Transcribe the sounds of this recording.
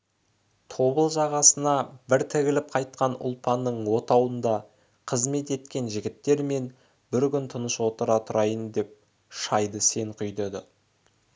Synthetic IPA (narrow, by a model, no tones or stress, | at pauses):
t̪ʰo̞bəlˠʒɑʁɑsənɑbɪɾt̪ʰɪɡʲɪlɪp̚qʰɑjt̪̚qɑnʊ̰lˠpʰɑnːəɴwo̞t̪ɑwənd̪ɑ | qʰəzme̞t̪e̞t̪kʲe̞nʒɪɡʲɪt̪ːe̞ɾme̞n | bɪɾkʲʏnt̪ʰʊnəswo̞t̪əɾɑt̪ʰʊɾɑjənd̪e̞p̚ | ʃɑjd̪əse̞ŋɴqʰʏjd̪ed̪ə